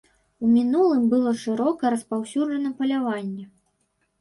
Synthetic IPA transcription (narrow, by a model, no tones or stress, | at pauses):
umʲinulˠɨmbɨlˠɔʂɨɾɔkɐɾɐspawsʲud͡ʐɐnɐpɐlʲavanʲːɛ